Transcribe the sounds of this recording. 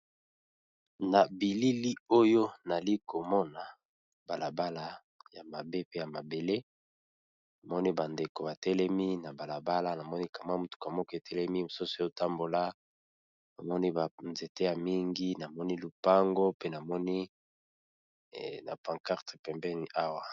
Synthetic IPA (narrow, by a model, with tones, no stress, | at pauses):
na˨bi˨li˦li˦o˦jo˦na˨li˦ko˨mɔ˦na˨ | ba˨la˨ba˦la˨ | ja̰˨ma˨be˦pe˦ja˨ma˨be˨le˦ | na˨mɔ˦ni˦ba˨nde˨ko˨ba˨tɛ˦lɛ˦mi˦na˨ba˨la˨ba˦la˦na˨mɔ˦ni˦ka˨ma˦mu˦tu̥˨ka˨mɔ˦kɔ˦e˨tʰɛ˦lɛ˦mi˦mo˨su˦so˦jo˦˨ta˦mbo˨la˦ | na˨mɔ˦ni˦ba˨nze˨te˦ja˨mi˦ŋɡi˦na˨mɔ˦ni˦lu˨pa˦ŋɡo˦pe˦na˨mɔ˦ni˦˨ | na̰˨pã˨ŋka˦ʁte̥˨pɛ˨mbɛ˦ni˨˦ʔa˦wa˨